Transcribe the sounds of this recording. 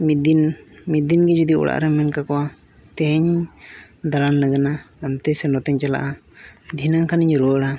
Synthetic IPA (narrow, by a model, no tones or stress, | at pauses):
mid̪inmit̪̚d̪inɡɛd͡ʒud̪iɔ̰ɽa̰ʔɾɛmɛnkakɔwa | t̪ɛɦɛɲiɲ | d̪alanːəɡana | amt̪ɛsɛnɔt̪ɛɲt͡ʃala̰ʔad̪ʱinaŋkʰaniɲɾuwəɽa